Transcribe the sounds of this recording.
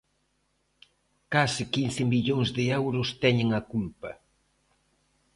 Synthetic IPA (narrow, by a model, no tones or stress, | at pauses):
kasɪkin̟θɪmiʎoŋzðɪɛwɾʊst̪ɛɲɪŋɐkulpɐ